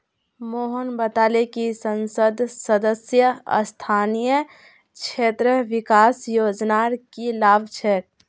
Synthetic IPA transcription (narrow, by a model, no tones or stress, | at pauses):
moɦənbət̪alekisənsəd̪ʱsəd̪əsjəə̰st̪ʰaːnijə | kt͡ʃʰet̪ɾəʋikaːsjod͡ʒnaɾkilaːbʱt͡ʃʰɛʈ̚